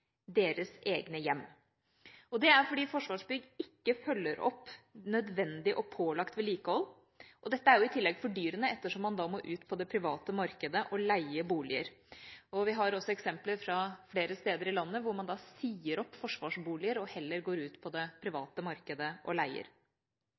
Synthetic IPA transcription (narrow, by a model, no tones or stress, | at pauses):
d̪eːɾəseːɡnəjɛmː | ɔd̪ɛæɾfɔɖiːfɔʂʋɑːʂbʏɡɪkːəfœlːəɾɔ̰pːnœd̪ʋɛnd̪ɪʔɔpʰoːlɑkt̪ʋɛliːkəhɔlː | ʔɔd̪ɛt̪ːəæɾjʊɪt̪ʰɪlːɛɡfɔɖyːɾənəɛt̪ːəʂɔmːɑnd̪ɑːmoʔʉːt̪pʰɔd̪ɛpʰɾɪʋɑːt̪əmɑɾkəd̪əʔɔlæɪəbuːlɪə̰ɾɔʋɪɦɑɾɔsːɔɛksɛmpləɾfɾɑfleːɾəst̪eːd̪əɾɪlɑnːəʋʊɾmɑnd̪ɑːsiːəɾɔpːfɔʂʋɑʂbuːlɪəɾɔhɛlːəɾɡoːɾʉːt̪pʰɔd̪ɛpʰɾɪʋɑːt̪əmɑɾkəd̪əʔɔlæɪə̰ɾ